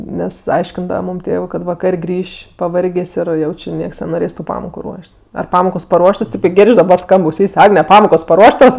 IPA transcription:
ˈnʲɛs ˈɐɪʃʲkʲɪndɐʋɐ ˈmuːm ˈtʲeːʋɜ kɐt ʋɐˈkɐrʲ ˈɡrʲiːʃʲ pɐˈʋɐrʲɡʲeːsʲ ˈɪr ˈjɛʊ ˈt͡ʃʲɪ ˈnʲiɛks nʲɛnoːˈrʲeːs tʊ ˈpɑːmoːkʊ ˈruɔʃʲtʲ ɐr ˈpɑːmoːkoːs pɐˈruɔʃtoːs ˈtʲeːp ɪ ˈɡʲeːrʲt͡ʃʲ dɐˈbɐ ˈskɐmp ɐʊˈsʲiːsʲ ˈɑːɡnʲɛ ˈpɑːmoːkoːs pɐˈruɔʃtoːs

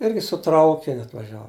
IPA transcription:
ˈɪrʲɡʲɪ sʊ ˈtrɐʊkʲɪnʲʊ ɐtʋɐˈʒʲæːʋʊ

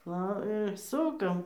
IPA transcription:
ˈʋɐ ɪr ˈsʊkɐm

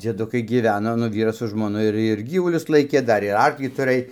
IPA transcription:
d͡zʲiɛˈdʊkɐɪ ɡʲiːˈʋʲæːnoː nʊ ˈʋʲiːrɐs sʊ ʒmoːˈnʊ ɪr ɪr ˈɡʲiːʋʊlʲʊs ˈlˠɐɪkʲeː ˈdɐr ɪr ˈɐrklʲiː tʊˈrɘj

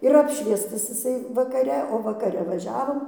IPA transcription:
ɪr ˈɑːpʲʃʲʋʲiɛstɐs ɪˈsɐɪ ʋɐkɐˈrʲɛ oː ʋɐkɐˈrʲɛ ʋɐˈʒʲæːʋoːm

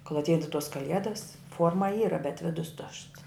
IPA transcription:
koːlˠ ɐtʲˈɛɪdɐʋɐ tuɔs kɐˈlʲiɛdɐs ˈfuɔrmɐ ˈiːrɐ bʲɛt ˈʋʲɪdʊs tʊʃts

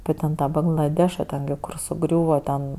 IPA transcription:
ɐpʲɪ tʲɛn ˈtɑː bɐŋɡlˠɐˈdʲæːʃɐ ˈtʲɛn ɡʲɪ kʊr sʊˈɡrʲuːʋɐ tʲɛn

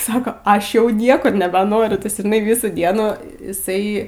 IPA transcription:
ˈsɑːkoː ˈɐʃ jɛʊ ˈnʲiɛkʊr nʲɛbʲɛˈnoːrʲʊ ˈtɐs ʒʲɪˈnɐɪ ˈʋʲiːsuː ˈdʲiɛnuː ɪˈsɐɪ

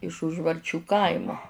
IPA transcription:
ɪʃ ʊʒʋɐrʲˈt͡ʃʲuː ˈkɐɪmʊ

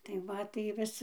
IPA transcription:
tɐɪ ˈʋɐ tɐɪ ˈʋʲɪs

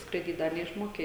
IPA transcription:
skrɐɪˈdʲiːt ˈdɐr nʲɛɪʃˈmoːkʲɛ

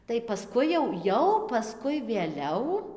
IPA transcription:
tɐɪ pɐˈskʊɪ jɛʊ ˈjɛʊ pɐˈskʊɪ ʋʲeːˈlʲɛʊ

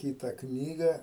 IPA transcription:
ˈkʲiːtɐ ˈknʲiːɡɐ

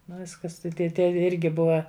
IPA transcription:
ˈnʊ ˈʋʲɪskɐs tɐɪ tʲiɛ ˈtʲiɛ ˈɪrʲɡʲɪ ˈbʊʋɐ

